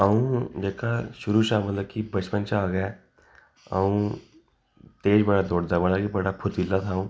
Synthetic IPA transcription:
aʋũd͡ʑekʰaɕuɾuːɕamət̪lakibət͡ɕpənt͡ɕaaɡja | ã̰ | t̪eːd͡ʑbəɽad̪oɽd̪abəɽakibəɽapʰut̪ilːat̪ʰãũ

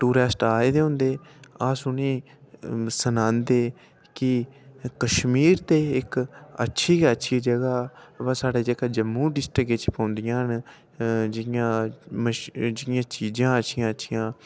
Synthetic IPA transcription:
ʈuːɾɛːsʈaːeːd̪eːɦʊ̃nd̪eːaːsʊniː | sənãːnd̪eː | kɪkəʃmiːɾt̪eːɪkə̰tːʃʰiːətːʃʰiːd͡ʒəɡaːbasaːɖeːd͡ʒəkaːd͡ʒəmːũːɖɪsʈɾəɡet͡ʃpãːnd̪ɪjãːɦən | d͡ʒɪjãːməd͡ʒɪjãːt͡ʃiːd͡ʒãːətːʃʰɪjãːətːʃʰijãː

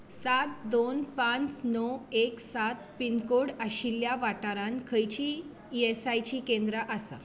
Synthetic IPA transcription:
sat̪d̪onpãnt͡snɔeksat̪̚pinkoɽaɕiljaʋaʈaɾankʰəjt͡ɕi | esajt͡ɕiːkẽnd̪ɾəʔasa̰

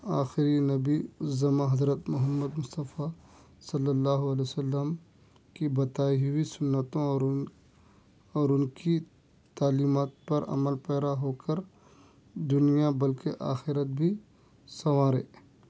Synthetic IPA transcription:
aːxɪɾinɐbizɐmãɦɐzɾət̪mʊɦəmːəd̪mʊst̪əfa | sɐlːəlːaːɦoɐlesɐlːəm | kibɐt̪aːiɦʊisʊnːət̪õɔː | ɔːɾʊnki | t̪aːliːmaːt̪̚pɐɾɐ̰məlpɛːɾaɦoːkəɾ | d̪ʊnijabɐlkeʔaːxɪɾət̪̚bʱi | sɐʋaːɾḛː

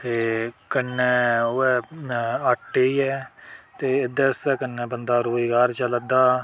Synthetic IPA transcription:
t̪eːkənːɛːʊɛːəʈːeːɛːt̪eːɪd̪ɛːst̪ɛːkənːɛːbənd̪aːɾoːzɡaːɾt͡ʃələd̪aː

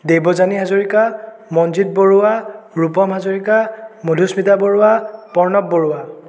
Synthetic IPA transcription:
debɔzaniɦazoɹika | mɔnzit̚boɹuaɹupɔmɦazoɹikamodʱusmitaboɹʊapɔɹnɔb̚ːoɹuwa

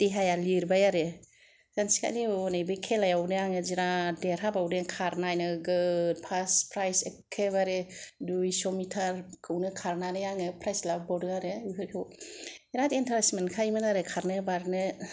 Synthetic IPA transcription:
d̥iɦajaliɾbajaɾe | zansi̥ka̰jliɔnajbɯkʰelajawnɯjaŋɯziɾadeɾɦabawdekʰaɾnajnɯɡɯd̚pʰaspʰɾajsekʰːeβaɾedujsɔmitʰaɾkʰɯwnɯkʰaɾnanɯjaŋɯpʰɾajslabbɔwdɯŋaɾeikʰɯɾkʰewiɾatentʰaɾasmenkʰajmɯnaɾekʰaɾnɯbaɾnɯ

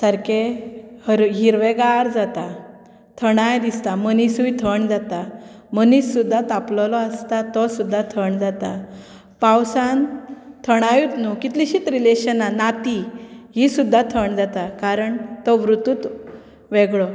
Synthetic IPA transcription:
səɾkehəɾɦiɾʋeɡaɾd͡zat̪a | t̪ʰəɽ̃ajd̪ist̪amənisujt̪ʰəɳd͡zat̪a | mənisːud̪ʱːat̪aplɔlɔəst̪at̪ɔsud̪ʱːat̪ʰəɳd͡zat̪a | pawsant̪ʰəɽ̃ajut̪nukit̪liɕit̪ɾileɕənanat̪iɦisud̪ʱːat̪ʰəɳd͡zat̪akaɾəɳt̪ɔʋɾut̪uːt̪ | ʋɛɡɭɔ

